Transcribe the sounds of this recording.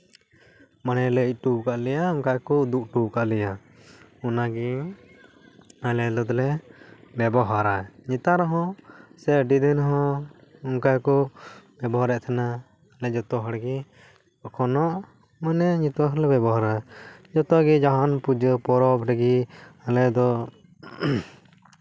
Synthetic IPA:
manɛləc̚ˀʈubkaʔlɛjaɔŋkajkɔd̪uʔʈukaʔlɛja | unaɡi | alɛlɔd̪lɛbɛbɔɦaɾaɲit̪aɾɔɦɔ̃sɛɖid̪inɦɔ̃ | ɔŋkajkɔbɛbɔɦaɾɛʔt̪ʰanaː | lɛd͡ʒɔt̪ɔɦɔɽɡɛ | ɔkʰɔnɔʔ | manɛɲit̪ɔaklɛbɛbɔɦaɾad͡ʒɔt̪ɔɡid͡ʒaɦanpud͡ʒəpɔɾɔbʈaɡialɛd̪ɔ

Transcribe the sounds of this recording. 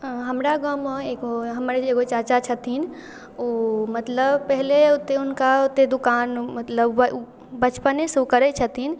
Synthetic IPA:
ɦəmɾaɡəmeɡoɦəmɾeeɡot͡ʃat͡ʃat͡ʃʰət̪in | omət̪ləbpəɦleʊt̪eʊnkaʊt̪ːed̪ʊkanmət̪ləb | bət͡ʃpənesukəɾɛt͡ʃʰət̪in

